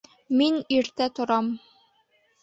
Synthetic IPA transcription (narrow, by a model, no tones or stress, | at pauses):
miniɾt̪æt̪ŏɾɑm